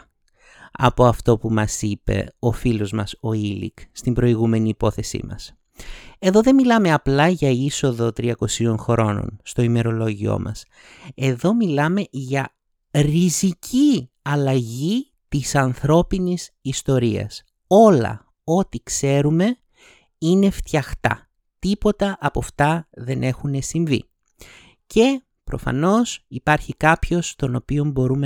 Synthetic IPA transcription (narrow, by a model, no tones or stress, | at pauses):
ɐ̰po̞ɐft̪o̞pumɐsipe̞̰o̞filo̞zmɐso̞ilḭkst̪imbɾo̞iɣume̞niːpo̞θe̞sḭmɐ̰s | e̞ðo̞ðe̞milɐme̞ɐplɐʝɐiso̞ðo̞t̪ɾiɐko̞sio̞nxɾo̞no̰nst̪o̞ime̞ɾo̞lo̞ʝio̞̰mɐ̰s | e̞ðo̞milɐme̞ʝɐ | ɾizicʰi | ɐlɐʝi | t̪isɐnθɾo̞pinisist̪o̞ɾiɐ̰s | o̞lɐ̰ | o̞t̪ikse̞ɾume̞ | ine̞ft̪çɐxt̪ɐ̰ | t̪ipo̞t̪ɐʔɐpoft̪ɐðe̞nʔe̞xune̞siɱvḭ | ce̞ | pɾo̞̰fɐ̰no̞sipɐɾçikɐpço̞st̪o̞no̞pio̞mbo̞ɾume